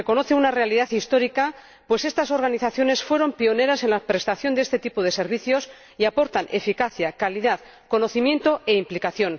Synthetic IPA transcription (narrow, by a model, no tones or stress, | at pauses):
reko̞noθeunare̞aliðaθist̪o̞ɾika | pwe̞se̞st̪aso̞ɾɣaniθaθjo̞ne̞sfwe̞ɾo̞mpio̞ne̞ɾase̞nlapɾe̞st̪aθjo̞nd̪eest̪e̞t̪ipoðe̞se̞ɾβ̞iθjo̞s | iapo̞ɾt̪anʔe̞fikaθjakaliðað | ko̞no̞θimjẽ̞nt̪o̞e̞implikaθjo̞n